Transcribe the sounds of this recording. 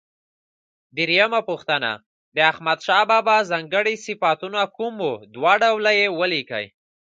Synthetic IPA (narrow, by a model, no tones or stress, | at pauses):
d̪əɾijamapuxt̪ana̰ | d̪əaxmad̪ʃɑbɑbɑzɑŋɡəɽisɪfat̪unakumod̪wɑɖawlajewəlikə̰j